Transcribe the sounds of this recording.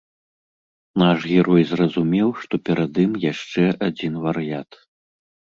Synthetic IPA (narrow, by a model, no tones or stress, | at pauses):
naʂɣʲɛɾɔjzrɐzumʲɛwʂt̪ɔpʲɛɾad̪ɨmjaʂt͡ʂɛʔad͡zʲinvɐɾɨjat̪